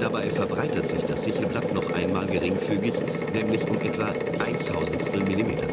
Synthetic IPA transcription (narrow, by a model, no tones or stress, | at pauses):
d̥abaɪfɛɐbʁaɪtətz̥ɪçd̥asz̥ɪçəl̩blatnɔχʔa̰ɪnmaːlɡəʁɪŋfyːɡɪç | nɛːmlɪçʔʊmʔɛtv̥a | ʔaɪntʰaʊzn̩tsɛmilimeːtɐ̰